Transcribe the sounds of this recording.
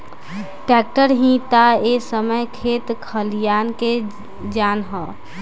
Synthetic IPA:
ʈɾɛːk̚ʈəɾɦĩt̪aesəməjkʰeːt̪kʰəlijaːnke | d͡ʒaːnɦɔ

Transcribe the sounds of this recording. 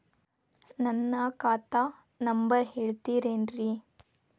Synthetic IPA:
nɐnːɐkaːt̪aː | nɐmbɐɾɦeːɭt̪iːɾeːnɾi

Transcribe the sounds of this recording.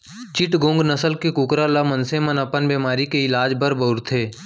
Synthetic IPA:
t͡ʃɪʈɡõːŋɡnɐsəlkekʊkɾalamənsemənɐpənbeːmaːɾikeɪlaːd͡ʒbəɾbəʊɾt̪ʰeː

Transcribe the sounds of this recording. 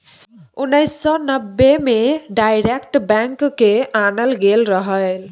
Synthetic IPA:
unəjsːɔnəbːemeɖajɾekʈbaŋkkeʔanəlɡelɾəɦəl

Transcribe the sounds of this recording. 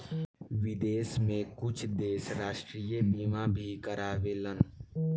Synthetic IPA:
ʋɪd̪eːsmẽkʊt͡ʃʰd̪eːʃɾaːʃʈɾiːjəbiːmabʱikəɾaːʋeːlən

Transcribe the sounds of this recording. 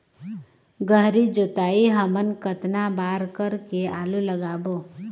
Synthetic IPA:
ɡəɦɾid͡ʒoːt̪aːiɦəmənkət̪nabaːɾkəɾkeaːluləɡaːbo

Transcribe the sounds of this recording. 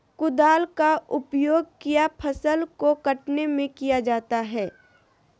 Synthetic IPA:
kʊd̪aːlkaʊpjoːɡ̚kijapʰɐsəlkokɐʈnemẽkijad͡ʒaːt̪aɦɛː

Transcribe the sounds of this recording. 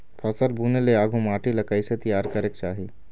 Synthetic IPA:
pʰɐsəɾbuːneleaːɡʱumaːʈilɐkaːiset̪ijaːɾkɐɾeːk̚t͡ʃaːɦi

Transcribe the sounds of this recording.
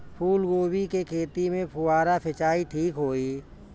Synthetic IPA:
pʰuːlɡoːbikekʰeːt̪imẽpʰʊwaːɾapʰɪt͡ʃaːiʈʰiːkɦoːiː

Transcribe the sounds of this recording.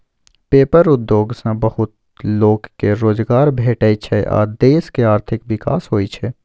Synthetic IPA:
peːpəɾʊd̪ːjoːɡsãbɐhʊt̪̚ | loːɡkeɾoːd͡ʒɡaːɾbʱeːʈəːit͡ʃʰɛʔa̰ːd̪eːskeaːɾt̪ʰɪkʋɪka̰ːsɦoːit͡ʃʰɛ

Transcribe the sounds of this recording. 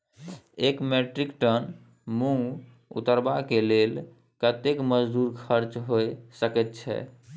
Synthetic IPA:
ekmeʈɾikʈən | mũ | ṵt̪əɾbakelel | kət̪ekməd͡ʒd̪uɾkʰəɾt͡ʃɦojsəkɛt̪̚t͡ʃʰɛ̰

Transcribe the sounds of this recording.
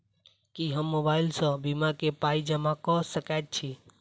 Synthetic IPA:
kiɦəmːobailsə̃bimakepaid͡ʒəmakɔsəkajt̪̚t͡ʃʰi

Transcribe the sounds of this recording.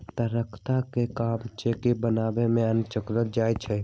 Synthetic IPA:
t̪əɾəkʰt̪akekaːmt͡ʃeːkibənaːbemẽənt͡ʃəkɾəld͡ʒaːjt͡ʃʰɛ

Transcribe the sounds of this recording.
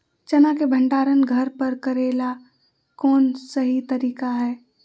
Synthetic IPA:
t͡ʃɐnakebʱə̃ɳɖaːɾənɡʱəɾpəɾkəɾeːla | kɔːnsəɦit̪əɾiːkaɦɛː

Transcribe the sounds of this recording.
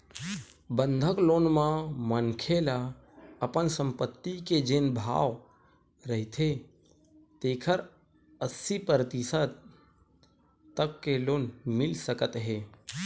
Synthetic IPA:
bənd̪ʱəklonmãmənkʰela | əpənsəmpət̪ːiked͡ʒenbʱa̰ːʋ | ɾəɦɪt̪ʰe | t̪eːkʰəɾ | əsipəɾt̪isət̪ | t̪əkːelonmɪlsəkət̪ɦe

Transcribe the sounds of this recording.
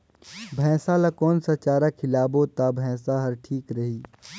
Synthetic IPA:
bʱɛ̃ːsalakɔːnsat͡ʃaːɾakʰɪlaːbot̪abʱɛ̃ːsaɦɐɾʈʰiːkɾɐɦiː

